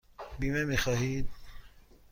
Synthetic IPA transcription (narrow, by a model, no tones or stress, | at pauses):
bimemixaːɦiːd̪̚